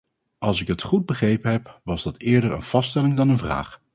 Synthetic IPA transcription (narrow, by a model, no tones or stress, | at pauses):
ɑlˠsɪkɦətχud̚bəχrejpənɦɛpʋɑzdɑtɪːɹdəɹə̰nv̥ɑstɛlɪŋdɑnənvra̰ːχ